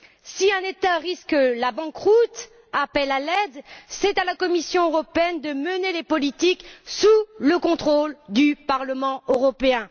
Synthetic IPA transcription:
siɛ̃net̪aʁiskəlabɑ̃kʁut̪ | apɛlalɛd̪sɛt̪alakɔmisjɔ̃øʁɔpeɛnd̪əmənelepɔlit̪iksuləkɔ̃t̪χold̪ypaʁləmɑ̃øʁɔpeɛ̃

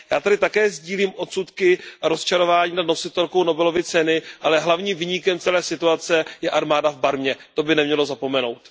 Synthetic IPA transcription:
jaːt̪adɪt̪akɛːzɟiːliːmʔo̞t̪sut̪kɪaɾost͡ʃaɾo̞vaːɲiːnadno̞sɪt̪ɛlko̞wno̞bɛlo̞vɪt͡sɛnɪʔalɛɦlavɲiːmviɲikɛmt͡sɛlɛːsɪt̪uat͡sɛjɛʔaɾmaːdavbaɾmɲɛt̪o̞bɪnɛmɲɛlo̞zapo̞mɛno̞̰wt̪

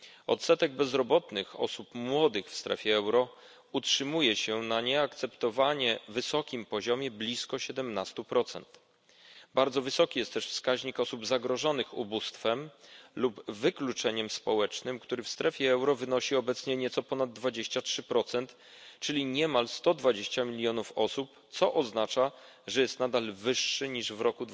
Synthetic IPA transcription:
ɔ̰t̪sɛt̪ɛɡ̚bɛzɾɔbɔt̪nɘxɔ̰supmwɔd̪ɘxfst̪ɾɛ̰fʲjɛɛwɾɔ | utʂɘmujɛɕɛnaɲɛakt̪sɛpt̪ɔvaɲɛvɘsɔkʲimpɔʑɔmʲjɛblʲiskɔɕɛd̪ɛmnast̪upɾɔt̪sɛ̰nt̪ | baɾd̪zɔvɘsɔkʲijɛst̪t̪ːɛʂfskaʑɲikɔsubzaɡɾɔʐɔnɘxṵbust̪fɛmlubvɘklut͡ʂɛɲɛmspɔwɛt͡ʂnɘmkt̪uɾɘfst̪ɾɛfʲjɛɛwɾɔvɘnɔɕiɔbɛt̪sɲɛɲɛt̪sɔpɔnad̪ːvad͡ʑeɕt͡ɕatʂɘpɾɔt̪sɛnt̪ | t͡ʂɘlʲiɲɛmalst̪ɔd̪vad͡ʑeɕt͡ɕamʲilʲjɔnufɔsupt̪sɔʔɔznat͡ʂa | ʐɛjɛst̪nad̪alvɘʂːɘɲiʐvɾɔku

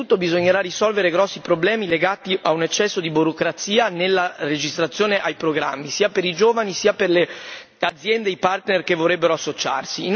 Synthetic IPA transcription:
ut̪ːobizoɲːeɾarisɔlveɾeɡɾɔsːipɾoblɛːmileɡaːt̪iʔaunet͡ʃːɛsːod̪ibuɾokɾat̪siːanelːared͡ʒist̪ɾat̪sːjoːneʔajpɾoɡɾa̰mːisiːapeɾid͡ʒoːvanisiːaperle | ad̪zjɛnd̪eipart̪nerkevorɾebːeɾoasːot͡ʃa̰rsiːn

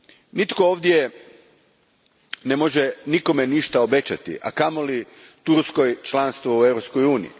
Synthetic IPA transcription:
nit̪ko̞oːʋd̪je | nemoʒeniko̞meniʃt̪aobe̞t͡ɕat̪ḭʔa̰kamoli | t̪uɾskojt͡ʃlanst̪ʋoueʋɾo̞pskojuːnḭjḭ

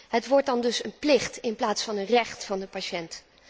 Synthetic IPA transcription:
ɦətʋɔɹt̚dɑndɵsənplɪχtɪnplaːtsfɑnənrɛχtfɑndəpaʃɛnt

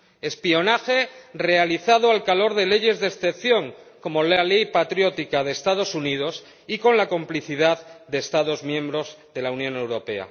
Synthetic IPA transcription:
e̞spio̞naxe̞re̞aliθaðoalkalo̞ɾð̞e̞le̞ʝe̞zðesθe̞pθjo̞ŋko̞mo̞lale̞jpat̪ɾjo̞t̪ikaðe̞ːst̪aðo̞sunið̞o̞s | iko̞nlako̞mpliθiðaðd̪e̞ːst̪aðo̞zmjẽ̞mbɾo̞zðe̞launjõ̞ne̞wɾo̞pe̞a̰

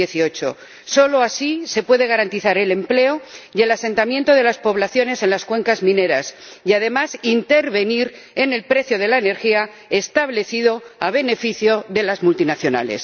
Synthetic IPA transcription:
eθio̞t͡ʃo | so̞loasise̞pwe̞ðe̞ɣ̞aɾant̪iθaɾe̞le̞mple̞oje̞lasẽ̞nt̪amjẽnt̪o̞ðe̞laspo̞βlaθjo̞ne̞se̞nlaskwe̞ŋkazmĩne̞ɾas | jaðe̞masint̪e̞ɾβe̞niɾ | e̞ne̞lpɾe̞θjoð̞e̞laene̞ɾxia | e̞st̪aβle̞θiðo̞aβ̞e̞ne̞fiθjo̞ðe̞lazmult̪inaθjo̞na̰lḛs

